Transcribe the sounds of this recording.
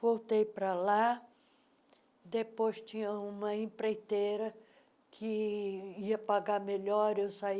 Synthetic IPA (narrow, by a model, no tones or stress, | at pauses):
vowt̪ejpɾɐla | d̪epojst͡ʃĩɲɐũmɐĩpɾejt̪eɾɐ | kʰɪ | iɐpaɡameʎɔɾewsai